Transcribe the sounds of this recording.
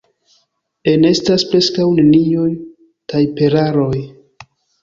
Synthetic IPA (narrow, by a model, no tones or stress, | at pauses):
e̞ne̞staspɾe̞skawnenijo̞j | kajpe̞ɾaɾo̞j